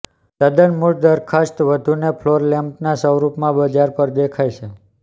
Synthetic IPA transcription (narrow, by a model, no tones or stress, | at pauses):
d̪ad̪ənmuʈd̪əɾkʰast̪ʋəd̪ʱunepʰloɾlɛmpnasəwɾupmãbəd͡ʒaɾpəɾd̪ekʰajʃʰe